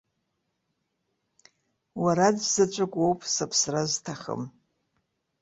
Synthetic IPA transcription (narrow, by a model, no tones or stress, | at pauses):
waɾadzat͡ʃʷʼakʷʼowpʼsapʰsraztʰaχə̰m